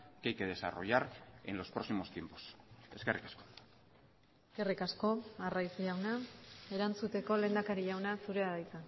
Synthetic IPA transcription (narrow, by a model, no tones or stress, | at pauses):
kejkeðe̞sa̰ro̞̰ʝaɾe̞̰nlo̞spɾo̞ksimo̞st̪je̞mpo̥se̞ske̞rikḁsko̞̥ | eske̞rikasko̞arajsʎawnae̞ɾant͡sut̪e̞ko̞le̞nd̪akaɾiʎawnasuɾeaðajsa